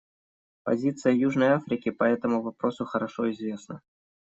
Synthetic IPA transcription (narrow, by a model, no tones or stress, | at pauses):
pɐ̰zʲit̪sɨjəjuʐnəjafɾʲɪkʲɪpɐɛt̪əmʊvɐpɾo̞sʊxəɾɐʂoɪzvʲe̞snə